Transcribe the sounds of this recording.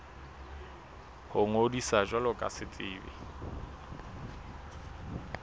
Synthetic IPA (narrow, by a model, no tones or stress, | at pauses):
hʊŋodisaʒwalʊkʼa̰sɪt͡sʼɪːbɪ̰